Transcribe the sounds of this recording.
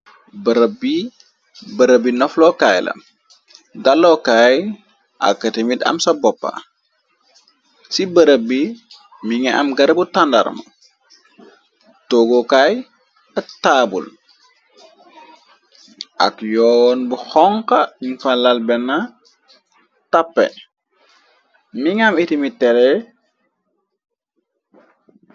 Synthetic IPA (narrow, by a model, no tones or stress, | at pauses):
bəɾəbi | bəɾəbinɔflɔkaːjlɐ̰ | dalːɔkaːj | ʔa̰kːatemidɐ̰msɐbɔpːa̰ | sibəɾəbi | miŋɛʔɐ̰mɡɐɾbutandɐ̰ɾmɐ̰ | toɡokaj | ɐk̚taːbṵl | ʔɐ̰kjɔnbuxɔŋkɐɲifalɐlbɛnːa | tapːɛ̰ | miŋamitimitːɛɾɛ